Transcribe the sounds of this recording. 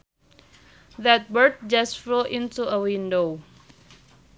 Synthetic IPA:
ðɛt̚bəɹt̚d͡ʒasfloʔĩntuəwĩndo

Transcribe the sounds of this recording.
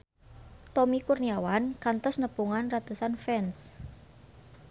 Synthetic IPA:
t̪omikurniawankant̪ɔsnəpuŋanrat̪usanfɛns

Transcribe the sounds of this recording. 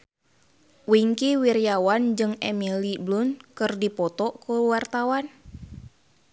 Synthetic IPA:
wiŋkiwirjawand͡ʒɨŋɛmiliblunkɨrdipɔt̪ɔkuwart̪awan

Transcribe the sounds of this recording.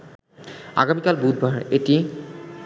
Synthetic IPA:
a̰ɡamikalbud̚bʱaɹeti

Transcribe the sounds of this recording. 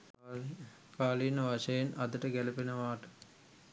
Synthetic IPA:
kaːlinəʋaʂɐjenʔɐd̪əʈəɡælɐpenəʋaːʈə̥

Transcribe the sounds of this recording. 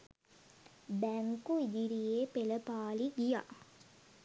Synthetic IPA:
bæŋkuid̪iɾijepeləpaːliɡija̰

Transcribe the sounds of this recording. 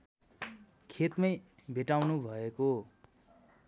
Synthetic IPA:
kʰet̪mʌj | bʱeʈawnubʱʌeko

